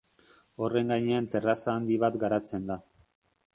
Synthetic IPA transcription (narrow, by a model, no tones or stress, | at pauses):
o̞re̞ŋɡajɲe̞ant̪e̞rasaːnd̪iβat̪ɡaɾat͡se̞nd̪a